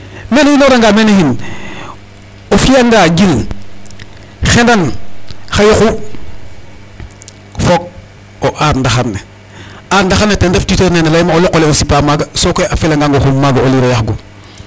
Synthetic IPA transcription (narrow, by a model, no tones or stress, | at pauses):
menejinoɾaŋɡamenehin | ofijaŋɡaɡil | xendanxajoxu | fok̚ | oʔaɾndaxanːe | aɾndaxanːetendeftitoɾnenelajmaoloqoleosipamaɡasokoʔafilaŋɡaŋɡoxummaɡaoliɾojaxɡo